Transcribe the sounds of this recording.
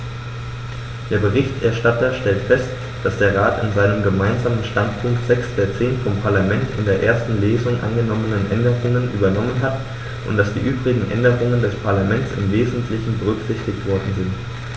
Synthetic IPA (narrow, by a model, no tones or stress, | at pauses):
d̥eːɐbəʁɪçtʔɛɐʃtatɐʃtɛltfɛst | d̥asd̥eːɐʁaːtɪ̰nzaɪnəmɡəmaɪnzaːmənʃtantpʰʊŋktz̥ɛksd̥eːɐt͡seːnfɔmpʰaɐlamɛntɪ̰ndeːɐʔeːɐstn̩leːzʊŋʔa̰nɡənɔmənənʔɛ̰ndəʁʊŋənʔyːbɐnɔmənɦat | ʔʊ̰ntd̥asd̥ḭːʔyːbʁɪɡŋ̩ʔɛ̰ndəʁ̞ʊŋəndɛspʰaɐlamɛnt͡sɪ̰mveːzn̩tʰlɪçn̩bəʁ̞ʏkz̥ɪçtɪçtv̥ɔɐdn̩zɪnt